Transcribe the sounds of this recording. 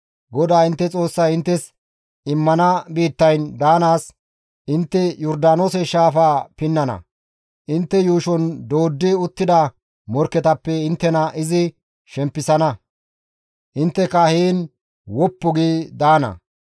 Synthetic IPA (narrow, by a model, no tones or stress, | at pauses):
ɡɔd̪aːɪnt̪ːɛt͡sʼo̞ːsːɐjɪnt̪ːɛs | ɪmːɐnɐbiːt̪ːɐjnd̪aːnaːs | ʔɪnt̪ːɛjɔɾd̪aːnoːsɛʃaːfaːpɪnːɐnɐ̰ | ʔɪnt̪ːɛjuːʃɔnd̪o̞ːd̪ːɪʊt̪ːɪd̪ɐ | mɔɾkːɛt̪ɐpːɛɪnt̪ːɛnɐʔɪzɪ | ʃɛmpːɪsɐnɐ | ʔɪnt̪ːɛkɐhiːn | wɔpːɔɡid̪aːnɐ̰